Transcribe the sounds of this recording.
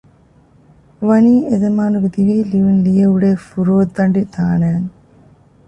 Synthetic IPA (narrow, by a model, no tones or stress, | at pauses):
ʋɐniːezɐmaːnukud̪iʋiːliʋinlijɐuɽeːfuɾoːt̪ːɐɳɖit̪aːneːn